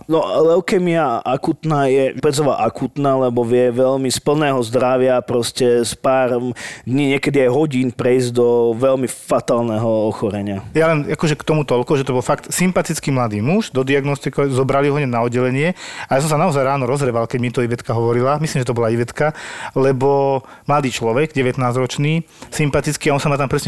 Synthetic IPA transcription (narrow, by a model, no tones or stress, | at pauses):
nɔlɛʊkɛmiaʔakuːt̪naːjɛpɛd͡zɔʋaʔakuːt̪naːlɛbɔʋɪɛʋɛʎmispl̩nɛːɦɔzd̪ɾaʋɪapɾɔscɛspaːɾɔmd̪ɲiːɲɪɛkɛd̪iajɦɔɟiːnpɾɛizɟd̪ɔʋɛlmifat̪aːlnɛɦɔɔxɔɾɛɲɪajalɛnakɔʒɛkt̪ɔmut̪ɔʎkɔʒɛt̪ɔbɔlfakt̪simpat̪it͡skimlad̪iːmuʒd̪ɔd̪iaɡnɔst̪ikazɔbɾaliɦɔɲɛnaɔd̪ɟɛlɛɲɪɛajaːs̬ɔ̃ms̬anaɔzajɾaːnɔɾɔzɦɾɛʋalkɛɟmit̪ɔiʋɛt̪kaɦɔʋɔɾilamislimʒɛt̪ɔbɔlaiʋɛt̪kalɛbɔmlad̪iːt͡ʃlɔʋɛɡɟɛʋɛt̪naːzɾɔt͡ʃniː | simpat̪it͡skiaɔnsamat̪ampɾɛsɲɛ